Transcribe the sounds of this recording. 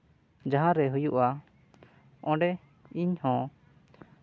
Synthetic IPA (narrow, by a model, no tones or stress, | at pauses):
d͡ʒaɦãɾɛɦujuʔa | ɔ̃ɖɛ | iɲhɔ̃